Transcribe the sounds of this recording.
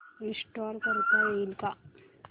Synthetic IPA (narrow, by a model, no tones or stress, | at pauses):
ɾisʈoɾkəɾt̪ajeilka